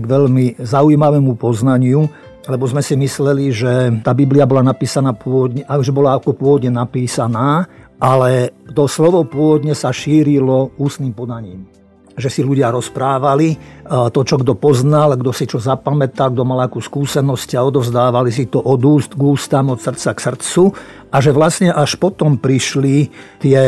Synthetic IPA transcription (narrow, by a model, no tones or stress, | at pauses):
ɡʋɛʎmizaujmaʋɛːmupɔznaɲɪu | lɛbɔzmɛsimislɛliʒɛt̪aːbibliabɔlanapiːsanaːpɔʋɔd̪ɲɛʔaʒɛbɔlaːkɔpʊɔʋɔd̪ɲɛnapiːsanaːʔalɛt̪ɔslɔʋɔpʊɔʋɔd̪ɲɛsaʃiːɾilɔuːst̪niːmpɔd̪aɲiːm | ʒɛsiluɟɪaɾɔspɾaːʋalit̪ɔt͡ʃɔɡd̪ɔpɔznalɡd̪ɔsit͡ʃɔzapamɛt̪alɡ̚d̪ɔmalakuːskuːsɛnɔscaɔd̪ɔvzd̪aːʋalis̬it̪ɔʔɔd̪uːst̪ɡuːst̪amɔt̪sr̩t̪t͡saksr̩t͡su | aʒɛʋlasɲɛʔaʃpɔt̪ɔmpɾiʃlit̪ɪɛ